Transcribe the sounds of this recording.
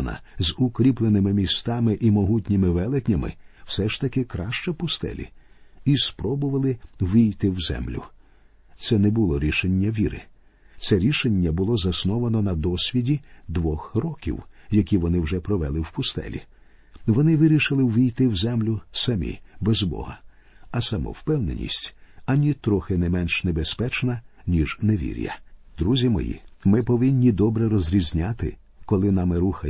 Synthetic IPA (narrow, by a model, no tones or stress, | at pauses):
nɐ̰zʊkɾʲiplˠenɪmɪmʲist̪ɑmɪʔimɔɦutʲnʲimɪʋɛlˠekʲnʲɐmɪ̰w̥sɛʃt̪ɐkɪkɾɑʃt͡ʃɔpʊst̪ɛ̰lʲḭispɾɔbʊʋɐlˠɪʋijt̪ɪwzɛ̰mlʲʊ̰ | t̪sɛnɛbʊlˠɔɾʲiʃenʲːɐʋʲiɾɪ̰ | sɛɾʲiʃenʲːɐbʊlˠɔzɐsnɔʋɐnɔnɐd̪ɔsʲʋʲidʲid̪ʋɔxrɔkʲḭwjɐkʲiʋɔnɪwʒɛpɾɔʋɛlˠɪwpʊst̪ɛ̰lʲḭ | ʋɔnɪʋɪɾʲiʃɪlˠɪwʋʲijt̪ɪwzɛmlʲʊsɐmʲḭbɛzbɔ̰ɦɐ̰ | ɐsɐmɔ̰wpɛwnḛnʲḭsʲtʲɐnʲit̪ɾɔxɪnɛmɛnʃnɛbespɛt͡ʃnɐnʲiʒneʋʲḭɾʲjɐ̰d̪ɾuzʲimɔ̰jḭmɪpɔʋɪnʲːid̪ɔbɾɛɾɔzʲɾʲizʲnʲat̪ɪ̰ | kɔlˠɪnamɪɾuxɐ